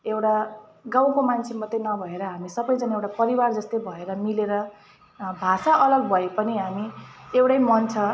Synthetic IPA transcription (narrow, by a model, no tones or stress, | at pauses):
ewʈa | ɡaw̃komant͡sʰemʌt̪ːenʌbʱʌeɾʌɦamisʌbʌjt͡sanewʈapʌɾiward͡zʌst̪ʌjbʱʌeɾʌmileɾʌ | bʱasaʌlʌɡbʱʌepʌniɦamiewʈʌjmʌnt͡sʰʌ